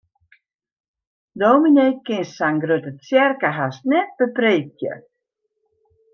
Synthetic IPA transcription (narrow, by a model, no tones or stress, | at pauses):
doːmineːkɪnsaŋɡrøtət͡sjɛrkəɦasnɛt̚b̥əpreːk̚jə̰